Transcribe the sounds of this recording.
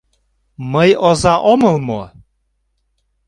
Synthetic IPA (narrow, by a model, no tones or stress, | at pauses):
məjozɑʔoməlˠmo